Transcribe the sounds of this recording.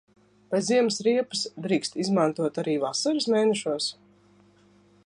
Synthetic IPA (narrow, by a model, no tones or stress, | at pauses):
pajziɛmɨsɾiɛpɨsd̪ɾiːkst̪izmant̪uɔt̪aɾiːvasaɾɨsmeːnɛʃuɔs